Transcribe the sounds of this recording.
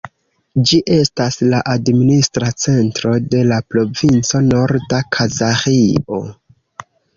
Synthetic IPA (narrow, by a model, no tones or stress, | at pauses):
d͡ʒiʔe̞staslaʔadministɾat͡se̞ntɾo̞de̞lapɾo̞vint͡so̞no̞ɾdakʰazaχio̞̰